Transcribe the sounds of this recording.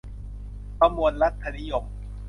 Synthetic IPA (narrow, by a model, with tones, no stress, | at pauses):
pa˧mu˨˧ənɾa˦˥t̪ʰːa˧ni˦jo˨˩m